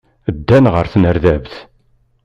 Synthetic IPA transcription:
əd̪ːænʁə̰ɾθnəɾðævθ

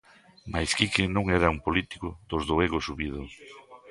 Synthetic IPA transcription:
majskikɪnõŋɛɾaumpolit̪i̥kʊðozðoeɣosuβiðʊ

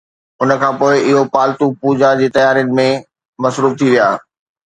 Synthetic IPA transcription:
ʊnə̆kʰãːpoːɪʔɪɦopaːlt̪upuːd͡ʑad͡ʑeːt̪ɐjaːɾjʊnɪ̆mẽ | mɐsɾuːf̚t̪ʰiʋijaː

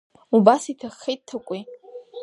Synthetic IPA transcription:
ubasitʰaχːejt̚ʼtʰːakʷʼi

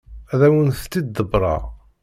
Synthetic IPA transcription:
æðæwənθt̪ːid̪ːəbɾˤɑ̰

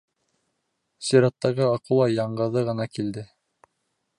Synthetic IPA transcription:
siɾɑt̪ːɑʁɤɑqɤ̆w̪ˠɑjɑɴɢɤ̆ðɤʁɤ̆nɑkild̪ɘ

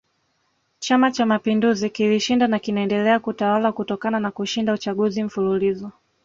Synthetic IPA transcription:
t͡ʃamat͡ʃamapinduzikiliʃindanakinaɛndɛlɛakutawalakutɔkananakuʃindaut͡ʃaɠuzim̩fululizɔ

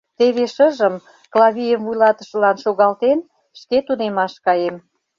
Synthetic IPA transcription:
t̪eβeʃəʒəm | klɑβʲijəmvujlɑt̪ə̥̆ʃə̆lɑnʃoɣɑlt̪en | ʃket̪unemɑʃkɑjem

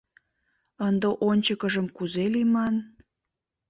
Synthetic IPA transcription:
ənd̪əʔonʲt͡ɕəkəʒəmkuzelimɑn

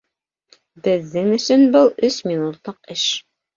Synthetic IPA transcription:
bɘ̆ðːɘŋɵ̆sɵnbɤlˠɵsminut̪lˠɤqɘʃ

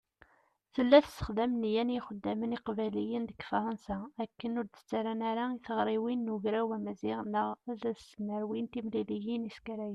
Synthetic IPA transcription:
θəlːæθə̥sːə̥χðæmnjænjiχəd̪ːæməniqvælijənd̪əkːfɑɾˤənsæækːənʊɾd̪ə̥t͡sːaɾænaɾaiθəʁɾˤiwinːuʝɾæwæmæziʁnəʁæðæməɾwint̪imlilijiniskæɾæjə

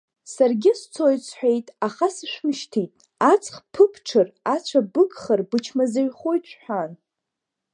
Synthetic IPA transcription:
sarɡʲɪst͡sʰojt͡sʷʰħʷᶣejtʼaχasɨʃʷᶣmʃtʰitʼ | at͡sʰχpʰɨpʰʈ͡ʂʰɨrat͡ɕʷʰabɨkʼχarbɨt͡ʃʰmazaɥχojtt͡ʃʷħʷᶣan

